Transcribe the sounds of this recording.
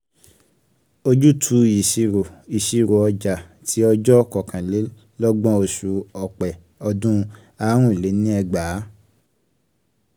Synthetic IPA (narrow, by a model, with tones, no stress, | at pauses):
o˧d͡ʒu˦tʰu˧i˨ʃi˧ɾo˨i˨ʃi˧ɾo˨ɔ˧d͡ʒa˨ | tʰi˨˦ɔ˧d͡ʒɔ˦kɔ˨kʰã˨le˨˦ | lɔ˦ɡ͡bɔ̃˦o˧ʃu˨˧ɔ˨k͡pɛ˨ | ɔ˧dũ˦ | a˧˦ɾ̃ũ˦˨le˨˦nĩ˦ɛ˧ɡ͡ba˨˦